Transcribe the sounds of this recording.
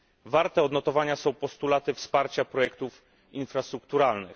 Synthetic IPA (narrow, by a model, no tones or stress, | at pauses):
vaɾt̪ɛɔd̪nɔt̪ɔvaɲasɔ̃w̃pɔst̪ulat̪ɘfspaɾt͡ɕapɾɔjɛkt̪uf | infɾast̪ɾukt̪uɾalnɘ̰x